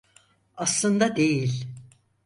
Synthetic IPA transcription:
aslˠɯnd̪ad̪e̞jilʲ

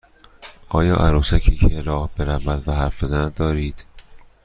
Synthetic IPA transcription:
ʔɒːjɒːʔæ̰ɾuːsæcʰiːcʰeelɒːhbeɾævæd̪væɦæɾfezænæd̪d̪ɒːɾiːd̪̥

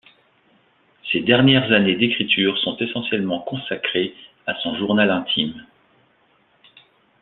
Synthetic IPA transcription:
sed̪ɛʁnjɛʁzaned̪ekχit̪ʰyːʁsɔ̃t̪esɑ̃sjɛlmɑ̃kɔ̃sakχe | asɔ̃ʒuʁnalɛ̃t̪ʰim

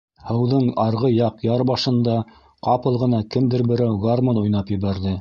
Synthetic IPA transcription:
hɤ̆wðɤɴɑɾʁɤjɑqjɑɾbɑʃɤ̆nd̪ɑ | qɑpɤ̆lˠʁɤ̆nɑkɘmd̪ɘɾbɘ̆ɾæwɡormonujn̪ɑpjɘ̆βæɾðɘ

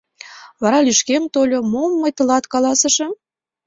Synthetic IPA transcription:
βɑɾɑlyʃkemt̪olʲomomːɤjt̪ə̆lɑt̪kɑlɑsə̆ʃɤ̆

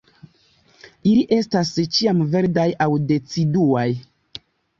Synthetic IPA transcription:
iliʔe̞stast͡ʃiamve̞ɾdajʔawde̞t͡siduaj

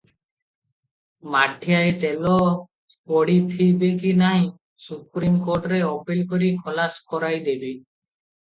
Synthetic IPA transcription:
maʈʰːiajt̪ɛlɔ | pɔɽit̪ʰibekinaɦĩ | supɾimkoɾʈɔɾeɔpelkoɾikʰɔlaskɔɾajd̪ebe

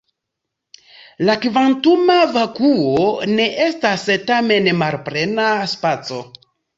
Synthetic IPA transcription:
lakvantumavakuone̞ʔe̞stastame̞nmaɾpɾe̞naspat͡so̞

